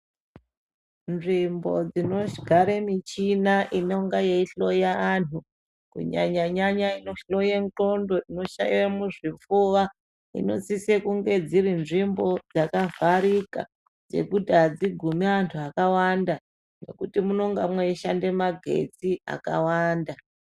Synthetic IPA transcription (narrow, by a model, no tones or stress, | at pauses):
nʐimbo̞̰d͡zino̞ʃɡʱaɾemit͡ʃinaʔino̞ŋɡajeiɬo̞jaantʰu | kṵɲa̰ɲaɲaɲainoɬo̞jeŋǃondo̞ʔino̞ʃairamuʐifuʋa | ḭno̞sisekuŋɡe̞d͡zirinʐimbo̞d͡zakavaɾika̰ | d͡ze̞̰kudʱad͡ziɡʱumiantʰuakawanda | ne̞̰kutimuno̞ŋɡamweiʃande̞maɡʱe̞̰t͡sia̰ka̰waːnda